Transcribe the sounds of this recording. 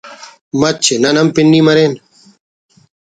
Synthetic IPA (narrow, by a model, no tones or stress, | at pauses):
mɐtt͡ɕʰenɐnəmpɪɳɖiːməɾeːn